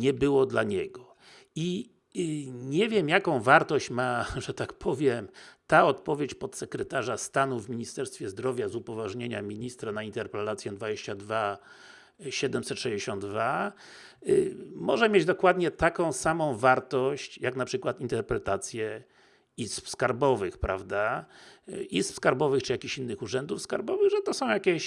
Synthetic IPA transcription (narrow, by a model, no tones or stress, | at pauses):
ɲɛbɘwɔd̪laɲɛɡɔ | i | ɲɛvʲjɛmjakɔ̃w̃vaɾt̪ɔɕt͡ɕmaʐɛt̪akpʰɔvʲjɛmt̪aɔt̪pɔvʲjet͡ɕpɔt̪sɛkɾɛt̪aʐast̪anuvmʲiɲist̪ɛɾst̪fʲjɛzd̪ɾɔvʲjazupɔvaʐɲeɲa̰mʲiɲist̪ɾanaint̪ɛɾpɾɛlat̪sʲjɛd̪vad͡ʑeɕt͡ɕad̪va | ɕɛd̪ɛmsɛt̪ʂɛd͡ʑeɕɔ̃nd̪d̪va | mɔʐɛmʲjed͡ʑd̪ɔkwad̪ɲɛt̪akɔ̃w̃samɔ̃w̃vaɾt̪ɔɕt͡ɕjaknapʂɘkwat̪int̪ɛɾpɾɛt̪at̪sʲjɛ | ispskaɾbɔvɘxpɾa̰vd̪a | ispskaɾbɔvɘxt͡ʂɨjakʲiçinːɘxuʐɛnd̪ufskaɾbɔvɘɣʐɛt̪ɔsɔ̃w̃jakʲɛɕ